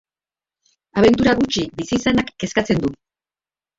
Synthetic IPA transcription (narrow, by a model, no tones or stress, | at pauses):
aβ̞e̞nt̪̬uɾaɣut͡ʃibisiːsanakːe̞skat͡se̞nd̪u